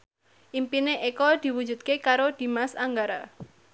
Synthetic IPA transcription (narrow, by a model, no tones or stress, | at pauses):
ʔimpineʔekɔd̪̥i̤wud͡ʒṳt̪̚kekaɾod̪̥i̤masaŋɡaɾa